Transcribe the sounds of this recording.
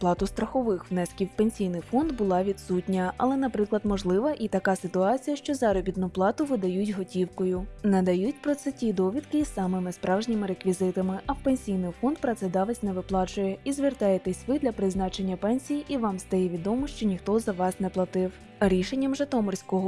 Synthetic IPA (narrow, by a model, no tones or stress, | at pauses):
plˠɑt̪ʊst̪ɾɐxɔʋɪxwnɛskʲiwpenʲsʲijnɪjfɔnd̪bʊlˠɑʋʲid̪sutʲnʲɐʔɐlˠɛnɐpɾɪklˠɐd̪mɔʒlˠɪʋɐʔit̪ɐkɑsɪt̪ʊɑt͡sʲijɐʃt͡ʃɔzɑɾɔbʲit̪nʊplˠɑt̪ʊʋɪd̪ɐjutʲɦɔtʲiwkɔjʊnɛd̪ɐjutʲpɾɔt̪sɛtʲid̪ɔʋʲid̪kɪisɑmɪmɪspɾɑwʒnʲimɪɾekʋʲizɪt̪ɐmɪʔɐwpenʲsʲijnɪjfɔnd̪̚pɾɐt̪sɛd̪ɑʋɛsʲnɛʋɪplˠɑt͡ʃʊjɛizʋʲɪrt̪ɑjet̪ɛsʲʋɪd̪lʲɐpɾɪznɑt͡ʃe̞nʲːɐpɛnʲsʲijiʔiʋɑmst̪ɐjɛʋʲid̪ɔmɔʃt͡ʃɔnʲixt̪ɔzɐʋɑsnɛplˠɐt̪ɪw | ɾʲiʃenʲːɐmʒet̪ɔmɔrsʲkɔɦɔ